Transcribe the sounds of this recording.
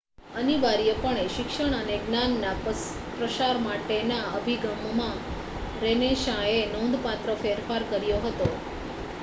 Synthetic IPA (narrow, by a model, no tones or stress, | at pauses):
əniʋaɾjəpəɳeʃɪkʃəɳ̃əneɡnanːa | pɾəʃaɾmaʈenaəbʱiɡəmmã | ɾeneʃãenõnd̪pat̪ɾəfeɾfaɾkəɾjoɦət̪o